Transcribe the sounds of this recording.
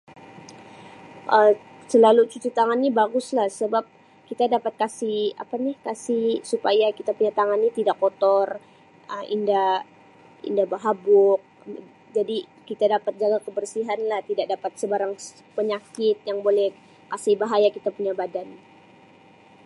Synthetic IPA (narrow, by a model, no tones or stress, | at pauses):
ʔə | səlalut͡ʃut͡ʃut̪aŋanːibaɡʊslahsəbap̚ | kit̪adapat̪̚kasɪha̰panɪhkasɪhsupajakit̪apuɲat̪aŋanːit̪idakːot̪ɔr | əʔḭnda | ḭndahbaɦabʊk̚ | d͡ʒadikit̪adapat̪̚d͡ʒaɡakəbərsiɦanlaht̪idaʔk̚dapat̪̚səbaɾaŋ | pəɲakɪt̪̚jaŋbolɛh | kasɪhbaɦajakit̪apuɲabadan